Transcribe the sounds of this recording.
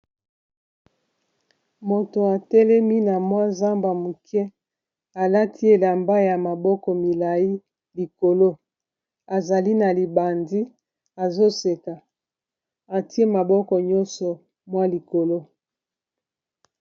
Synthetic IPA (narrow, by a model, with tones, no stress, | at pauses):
mo˨to˨a˨tɛ˦lɛ˦mi˦na˨mwa˦za˦mba˨mu˨kʰɛ˦ | a˨la˦tʰi˦e˨la˨mba˦ja˨ma˨bɔ˦kɔ˨mi˨la˨ji˦ | li˨ko˨lo˦ | a˨za˨li˦na˨li˨ba˨ndi˦ | a˨zo˦se˨ka˨ | a˨ti˦e˦ma˨bɔ˦kɔ˨ɲɔ˦nsɔ˨ | mwa˦li˨ko˨lo˦